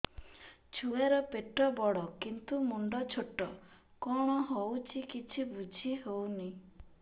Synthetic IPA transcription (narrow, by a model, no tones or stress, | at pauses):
t͡ʃʰuaɾɔpeʈːɔbɔɽɔkint̪umuɳɖɔt͡ʃʰoʈːɔ | kɔɽ̃ɔɦowt͡ʃʰikit͡ʃʰibud͡ʒʱiɦowni